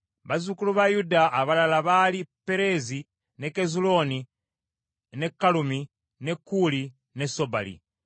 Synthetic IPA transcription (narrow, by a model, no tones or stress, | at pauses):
βazukuluβajudaʔːβalalaβalipe̞ɾe̞zi | ne̞kezulo̞ni | ne̞kːalumi | ne̞kːuli | ne̞so̞ba̰lḭ